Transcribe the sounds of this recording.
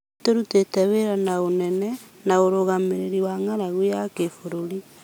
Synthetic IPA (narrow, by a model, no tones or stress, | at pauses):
tteɾutetɛweɾanaonɛnɛ | naoɾoɣameɾeɾiwaŋaɾaɣwujakefoɾoɾi